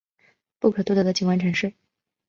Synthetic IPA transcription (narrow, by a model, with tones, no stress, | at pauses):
pu˥˩kʰɤ˨˩t̪wd̪ɤ˧˥d̪ə˧t͡ɕi˨˩ŋwa˧˥nʈ͡ʂʰa˧˥ŋʂɻ̩˥˩